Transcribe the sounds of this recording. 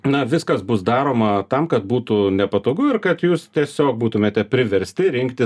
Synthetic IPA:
nɐʋʲɪskɐsbʊsd̪ɑːɾoːmɐt̪ɐmkɐt̪̚buːt̪ʊnʲɛpɐt̪oːɡʊɪrkɐt̪juːst̪ʲiɛsʲoːk̚buːt̪ʊmʲeːt̪ʲɛpʲɾʲɪʋʲɛɾʲsʲt̪ʲɪɾʲɪŋkt̪ʲɪ

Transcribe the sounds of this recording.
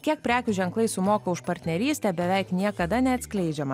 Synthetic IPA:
kʲiɛk̚pʲɾʲæːkʲʊʒʲɛŋklˠɐɪsʊmoːkɐʊʃpɐɾʲt̪ʲnʲɛɾʲiːst̪ʲɛːbʲɛʋʲɛɪknʲiɛkɐd̪ɐnʲɛɐt̪ʲsʲkʲlʲɛɪd͡ʒʲɛmɐ

